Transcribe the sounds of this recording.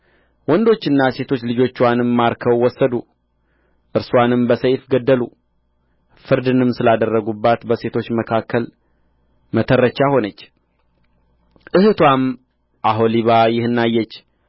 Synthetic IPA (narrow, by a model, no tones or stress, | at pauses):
wɔnd̪o̞t͡ʃːɨnːase̞t̪ʰo̞t͡ʃːlɨd͡ʒo̞t͡ʃːwanɨmːaɾkʰəwːɔsːəd̪u | ʔɨɾswanɨmbəsəjfɡəd̪ːəlu | fɨɾd̪ɨnɨmsɨlad̪ərːəɡubːat̪bəse̞t̪ʰo̞t͡ʃːməkʰakʰːəl | mət̪ʰərːət͡ʃːaho̞nət͡ʃː | ʔɨhɨt̪ʰwam | ʔaɦoliβajɪhɨnːajːɛt͡ʃː